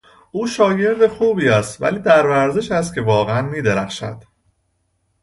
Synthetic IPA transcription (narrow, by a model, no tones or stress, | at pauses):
ʔuːʃɒːje̞ɾd̪e̞xuːbiːæst̪væ̰liːd̪æɾvæɾzeʃæs̬t̪̚cʰe̞vɒːɣeænmiːd̪eɾæxʃæ̰d̪̥